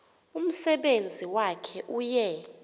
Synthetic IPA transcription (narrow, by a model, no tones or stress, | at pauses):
um̩sɛɓend͡zʱiwakʰɛʔujɛ